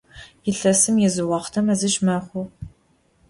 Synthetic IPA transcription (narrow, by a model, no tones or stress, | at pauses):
jɪɬɐsɨmjɛzɨwɑːχʷtʰɐmɐzɨʒmɐχʷʊ